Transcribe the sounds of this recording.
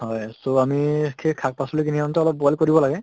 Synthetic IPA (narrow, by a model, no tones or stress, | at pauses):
ɦɔjsoamikʰekʰak̚pasɔlik̬iniantɔɔlɔp̚bɔalkoɹibɔlaɡɛ